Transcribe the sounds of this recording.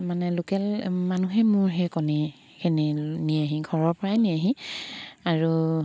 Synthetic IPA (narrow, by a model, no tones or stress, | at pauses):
manɛlokɛlmanuɦɛmʊɹɦɛkɔni | kʰeniniaɦĩɡʱɔɹɔɹpɔɹajniaɦĩ | aɹu